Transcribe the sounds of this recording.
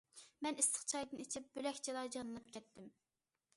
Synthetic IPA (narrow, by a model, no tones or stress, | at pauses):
mɛnɪst̪ə̥χt͡ʃʰɑjd̪ɨnit͡ʃʰip̚b̥ølɛkʲt͡ʃʰilˠɑɾd͡ʒɑnɨnˠɨp̚kʲʰɛt̪ːɪm